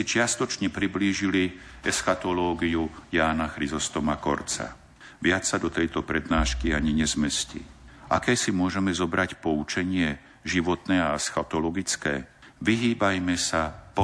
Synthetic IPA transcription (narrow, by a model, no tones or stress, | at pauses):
it͡ʃɪast̪ɔt͡ʃɲɛpɾibliːʒiliɛsxat̪ɔlɔːɡijujaːnaxɾizɔst̪ɔmakɔɾt͡sa̰ | ʋɪat͡sːad̪ɔt̪ɛjt̪ɔpɾɛd̪naːʃkiaɲiɲɛzmɛscḭʔa̰kɛːsimʊɔʒɛmɛzɔbɾacpɔut͡ʃɛɲɪɛ | ʒiʋɔt̪nɛːaɛsxat̪ɔlɔɡit͡skɛː | ʋiɦiːbajmɛsapɔ